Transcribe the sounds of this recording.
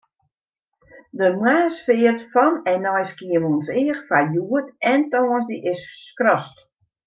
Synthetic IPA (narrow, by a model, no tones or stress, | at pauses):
dəmwaːsfɪːərtfɔnɛnɔjskiəʋɔnsɪːxfajuətɛntɔənsdiʔɪsːkrɔst